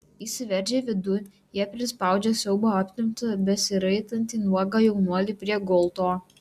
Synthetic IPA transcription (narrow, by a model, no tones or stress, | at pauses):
isʲɪʋʲɛɾʲd͡ʒʲeːʋʲɪd̪ʊ | jiɛpʲɾʲɪspɑˑʊd͡ʒʲɛsʲɛʊboːɐpʲt̪ʲɪmt̪ɐbʲɛsʲɪɾɐɪt̪ɐnʲt̪ʲiːnuɔɡɑːjɛʊnuɔlʲiːpʲɾʲiɛɡɔlˠt̪oː